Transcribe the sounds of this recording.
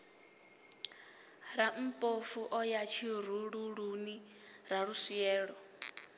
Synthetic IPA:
ɾam̩pʼofuʔɔjat͡ʃʰiɾuɺuɺuni | ɾaɺusiɛːɺɔ

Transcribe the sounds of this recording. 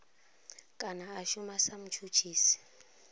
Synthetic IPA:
kʼanaaʃumasam̩t͡ʃʰut͡ʃʰiːsi̥

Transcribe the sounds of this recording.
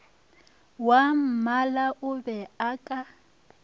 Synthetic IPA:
wam̩malaʔʊbɛakʼa

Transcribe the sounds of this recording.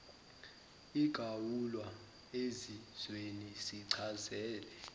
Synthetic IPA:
iɡ̥ʱawulwa | eziz̥wenisiǀʰazɛːlɛ

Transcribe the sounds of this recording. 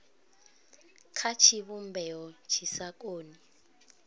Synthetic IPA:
kʰat͡ʃʰiβumbʱɛɔt͡ʃʰisak̬ʼoːni

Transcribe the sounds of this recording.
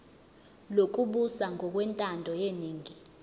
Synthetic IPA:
lok̬ʼuɓusaŋʱɔk̬wɛntʼandʱɔjeniːŋi

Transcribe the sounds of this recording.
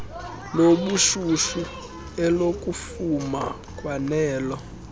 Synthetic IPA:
loɓuʃuʃu | ɛlokʼufuma̰ | kʼwanɛːlɔ

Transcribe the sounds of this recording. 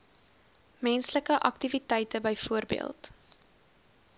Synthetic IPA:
mɛnsləkəʔɐktivitɛjtəbəjfuərbḭə̰lˠt

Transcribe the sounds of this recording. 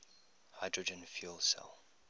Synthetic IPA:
haɪdɹɔd͡ʒɛ̃nfjulsɛ̰lˠ

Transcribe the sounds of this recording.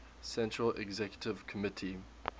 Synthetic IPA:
sɛ̃ntɹəlɛ̰ɡzɛkjətɪv̥kʰəmɪtʰi

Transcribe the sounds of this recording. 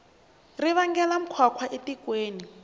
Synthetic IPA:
riβaŋɡɛlam̩kʰwakʰwaʔetikweːni

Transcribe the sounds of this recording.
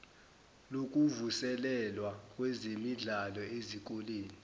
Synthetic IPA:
lok̬ʼuvusɛlɛlwakʼwɛzemiɮalɔezik̬ʼoleːni

